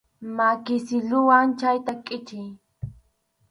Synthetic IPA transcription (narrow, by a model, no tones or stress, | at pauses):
makɪsɪlʊwaŋt͡ʃajt̪akʼɪt͡ʃɪj